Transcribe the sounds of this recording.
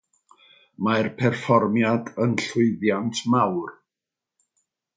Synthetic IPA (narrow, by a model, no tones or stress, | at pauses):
marpʰɛrfɔrmjadənɬʊɨðjantʰmawr